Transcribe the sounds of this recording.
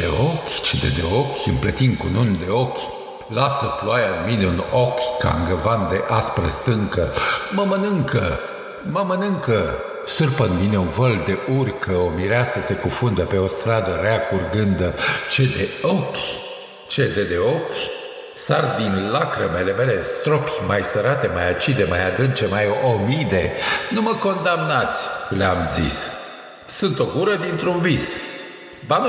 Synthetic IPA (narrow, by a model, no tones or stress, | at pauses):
d̪ḛokʲt͡ʃed̪ḛd̪eokʲɨmplət̪ind̪̚kunund̪e̞o̞kʲ | lasəploajaɨnmine̞unokʲka̰ŋɡəvand̪eʔaspɾḛst̪ɨŋkəməmənɨŋkə | məmənɨŋkə | sɨrpənmine̞unvəld̪e̞ʔurkʰəomiɾeasəse̞kufund̪əpe̞o̞st̪ɾad̪əɾeakurɡɨnd̪t͡ʃed̪eokʲ | t͡ʃe̞d̪e̞d̪eo̞kʲ | sard̪inlakɾəmele̞me̞le̞st̪ɾopʲmajsəɾat̪e̞majat͡ʃid̪e̞majad̪ɨnt͡ʃe̞majomid̪e̞numəko̞nd̪amnat̪sʲleamzḭs | sunt̪o̞ɡuɾəd̪int̪ɾunvis | ban